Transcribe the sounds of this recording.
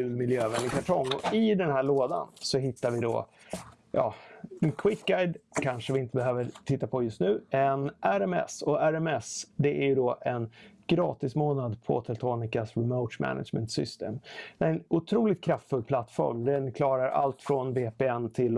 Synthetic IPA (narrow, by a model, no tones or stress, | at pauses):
ʉːlmɪljøːvɛnɪkʰaʈʰɔŋːɔɪd̪ɛnhæːɭoːd̪a̰nsɔɦɪt̪ːaɾvɪd̪ɔ̰ | jɑ̰ːɛnkʰwɪk̪ɡajd̪kʰanʂəvɪɪnt̪əbɛɦøːvəɾʈ̪ʰɪt̪ːapʰɔjɵst̪nʉ̟ːɛnʔæɾɛmɛ̰sɔæɾɛmɛsd̪ɛʔæɾjɵd̪ɔʔɛnɡ̥ɾɑ̰ːt̪ɪsmoːnad̪pʰɔ̰t̪ʰɛlt̪ʰoːnɪkasɾɪməʊʂmæ̰na̰d͡ʒmɛ̰nt̪sʏ̰st̪ḛːmɛɛnʊt̪ʰɾuːlɪt̪̚kʰɾaft̪fɵlpʰlat̪ːfɔ̰ɾmd̪ɛnkʰlɑːɾaɾʔa̰lt̪fɾɔnbeːpɛɛnt̪ʰɪl